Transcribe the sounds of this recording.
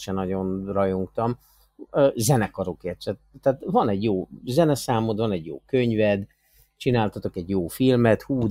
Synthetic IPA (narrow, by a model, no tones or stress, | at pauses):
ʃɛnːɒɟo̞nrɒjo̞ŋkt̪ɒm | øːzɛnɛkɒɾokeːrt͡ʃɛt̪ːaːt̪vɒnɛɟjoːzɛnɛsaːmot̪vɒnɛɟjo̰ːkø̞ɲvɛd̪ | t͡ʃinaːlt̪ɒt̪o̞kɛɟjoːfilmɛt̪huː